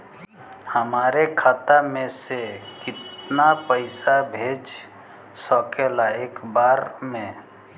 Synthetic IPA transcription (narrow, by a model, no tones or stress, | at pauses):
həmaːɾekʰaːt̪amẽsekɪt̪napəɪsabʱeːd͡ʒ | səkelaeːkbaːɾmẽ